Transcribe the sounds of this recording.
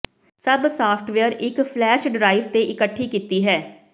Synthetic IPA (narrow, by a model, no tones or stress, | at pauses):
səbsaːpʰʈʰʋɛəɾɪkpʰlɛːʃɖɾaːɪʋt̪eːʔɪkəʈʰːiːkiːt̪iːɦɛː